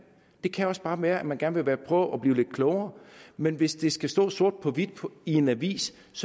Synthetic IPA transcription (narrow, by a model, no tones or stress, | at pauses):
d̥e̝kʰæɒ̽sb̥ɑ̈ːʋæːɐʔæmænɡæɐnʋe̝ʋæːɐpʰʁœ̰ːʊʔɒb̥liːʊle̝d̥kʰlɔʊɐːmenʋe̝sd̥e̝sɡ̥æsd̥ɔ̰ːso̝ɐ̰d̥̚pʰɒ̽ʋid̥pʰie̝næʋḭːs | s